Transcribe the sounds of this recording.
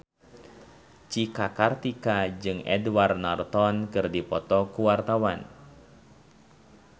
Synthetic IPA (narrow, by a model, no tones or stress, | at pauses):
t͡ʃikakart̪ikad͡ʒɨŋɛ̰dwarnart̪ɔnkɨrdipɔt̪ɔkuwart̪awan